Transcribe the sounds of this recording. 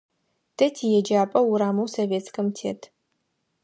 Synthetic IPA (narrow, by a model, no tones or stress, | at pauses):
tʰɐtʰijɛd͡ʒaːpʼɐwuɾaːmɐwsoveːt͡skɐmtʰḛːtʰ